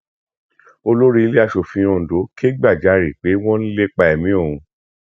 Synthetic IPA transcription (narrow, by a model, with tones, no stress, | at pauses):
o˧lo˦ɾi˦i˧le˦a˧ʃo˨fĩ˧õ˧n̩˨do˨˦ke˦ɡ͡ba˦˨d͡ʒa˨˦ɾi˨k͡pe˨˦w̃ɔ̃˦ñ̩˦le˦k͡pa˧ɛ˨mĩ˨˦o˦˨ũ˧